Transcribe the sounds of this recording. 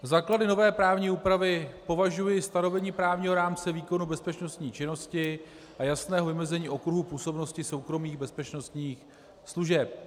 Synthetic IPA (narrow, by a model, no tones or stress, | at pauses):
zaːkladɪno̞vɛːpɾaːvɲiːuːpɾavɪpo̞vaʒujɪst̪ano̞vɛɲiːpɾaːvɲiːɦo̞ɾaːmt͡sɛviːko̞nubɛspɛt͡ʃno̞st̪ɲiːt͡ʃɪno̞scɪ | ʔajasnɛːɦovɪmɛzɛɲiːʔo̞kɾuɦupuːso̞bno̞scɪso̞wkɾo̞miːɣbɛspɛt͡ʃno̞st̪ɲiːx | sluʒɛp̚